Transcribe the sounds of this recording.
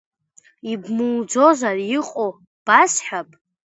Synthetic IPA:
ibmɨwd͡zo̞zarjiqʼo | b̥asħapʼ

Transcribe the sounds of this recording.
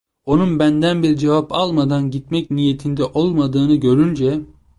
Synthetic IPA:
o̞nunbænd̪ænbiɾd͡ʒevapʰalˠmad̪anɟit̪mɛcnije̞t̪ʰind̪ɛʔo̞lˠmad̪ɯːnɯɟø̞ɾynd͡ʒɛ

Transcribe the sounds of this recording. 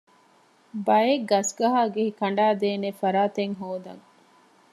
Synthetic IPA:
bɐjeɡɐsɡɐɦaːɡehikɐɳɖaːd̪eːnefɐɾaːt̪eŋɦoːd̪ɐ̰ŋ

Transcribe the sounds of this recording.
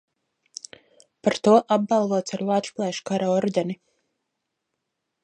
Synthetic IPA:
paɾt̪uɔʔab̚bɑlˠvuɔt̪saɾlˠaːt̪ʃplˠɛjʃkaɾaɔɾd̪ʲɛni

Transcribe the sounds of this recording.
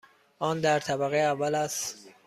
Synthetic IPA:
ʔɒːnd̪æɾt̪ʰæbæɣejævːælæst̪

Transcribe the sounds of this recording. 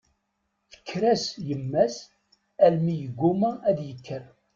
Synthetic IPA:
θə̥kːɾæsjəmːæs | ælmijəɡʷːuməæðjəkʰːəɾ

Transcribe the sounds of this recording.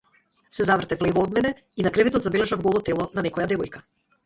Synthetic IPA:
sɛzavr̩t̪ɛvlɛvɔɔd̪mɛnɛ | inakɾɛvɛt̪ɔt̪zabɛlɛʒavɡɔlˠɔt̪ɛlˠɔnanɛkɔjad̪ɛvɔjka

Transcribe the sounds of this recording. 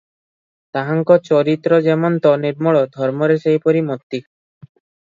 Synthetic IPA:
t̪aɦaŋkɔt͡ʃɔɾit̪ɾɔd͡ʒemɔnt̪ɔniɾmɔɭɔd̪ʱɔɾmɔɾesejpɔɾimɔt̪ːi

